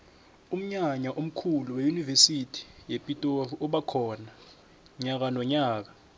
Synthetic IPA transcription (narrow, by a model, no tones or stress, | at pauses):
um̩ɲaɲaʔom̩kʰuluwejunivesitʰi̥jepʼitʼovɔɓakʰɔːna | ɲak̬anɔɲaːk̬a